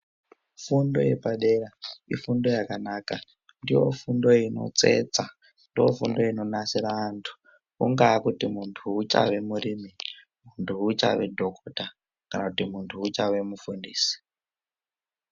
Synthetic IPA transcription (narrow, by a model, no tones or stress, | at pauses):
fundo̞̰jepaɗeɾaḭfundo̞jakanaːka | ndiwo̞̰fundo̞ino̞̰t͡se̞̰t͡sa | ndiwo̰fundo̞ino̞nasiɾaantʰu̥ | uŋɡaːkutimuntʰuut͡ʃa̰ʋe̞muɾiːmi | muntʰuut͡ʃa̰ʋe̞̰dʱokʰota | kanakutimuntʰuut͡ʃaʋe̞mufundiːsi̥